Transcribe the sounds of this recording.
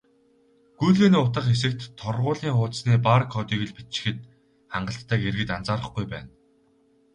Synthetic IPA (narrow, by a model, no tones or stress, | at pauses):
ɡ̥ujɮɣeːniːʊt̪ə̆qes̬ɘ̆k̚t̪ʰːɔrʁʊːɮiːŋχʊːt̪sniːpaɾə̆kχɔt̪iːɣɘ̆ɮpi̥t͡ɕɪ̥̆xɘ̆t̪ | χaɴɢə̆ɬt̪ʰːæːkeɾɣɘ̆t̪ant͡saːɾə̆χɡujpæ̰ːn